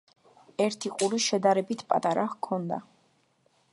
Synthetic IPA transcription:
ɛɾt̪ʰiqʼuɾiʃɛd̪aɾɛbit̪ʰpʼa̰t̪ʼaɾakʰːɔnd̪a̰

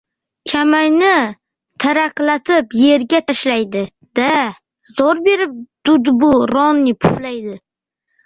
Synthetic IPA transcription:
t͡ʃʲʰamajnɪ | t̪ʰaɾaqlat̪ʰɪpje̞ɾɡʲat̪ʰaʃlajd̪ɪ | d̪̥a | zɒɾbe̞ɾɪp̚d̪̥ʊd̪bʊɾɒnːɪpʰʊχlajd̪ɪ

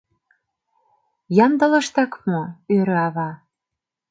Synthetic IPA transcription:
jɑnd̪ɤ̆lɤ̆ʃt̪ɑkmoøɾøɑβɑ

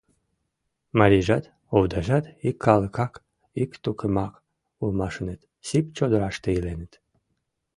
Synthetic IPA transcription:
maɾʲiʒat̪ | owd̪aʒat̪ikʰːɑlˠəkɑk | ikt̪ukʰəmɑk | ulmɑʃɨnet̪ | sipt͡ʃod̪oɾaʃt̪eilenɘt̪

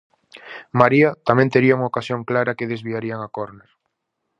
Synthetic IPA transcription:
maɾiɐt̪amɛ̃nt̪eɾiauŋaokasjoŋklaɾɐkeðezβiaɾiaŋakoɾneɾ

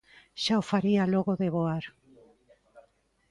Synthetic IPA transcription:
ʃaofaɾialoɣoðeβoaɾ

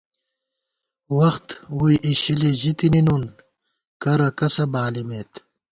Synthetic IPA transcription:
wɐxt̪wujʔiɕiliʑit̪ininun | kɐɾɐkɐsɐbaːlimet̪

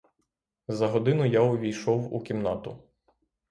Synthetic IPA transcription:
zɐɦɔd̪ɪnʊjaʊʋʲijʃɔwṵkʲimnɑt̪ʊ

